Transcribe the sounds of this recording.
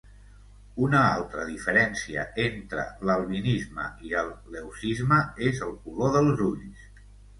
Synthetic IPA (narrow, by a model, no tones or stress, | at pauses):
unəalˠt̪ɾəðifəɾɛnsiə̰ent̪ɾə̰ləlˠβinizmə̰iəlˠːewsizməezəlˠkuloðəlˠzuʎs